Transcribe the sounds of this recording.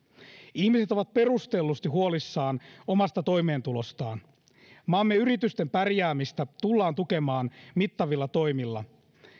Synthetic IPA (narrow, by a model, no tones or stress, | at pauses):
ihmise̞t̪o̞ʋɑt̪̚pe̞rust̪e̞lːust̪iɦuo̞lisːɑːno̞mɑst̪ɑt̪o̞jme̞ːnt̪ulo̞st̪ɑːn | mɑːmːeyɾit̪yst̪e̞mpærjæːmist̪æt̪ulːɑːnt̪uke̞mɑːnmit̪ːɑʋilːɑt̪o̞jmilːɑ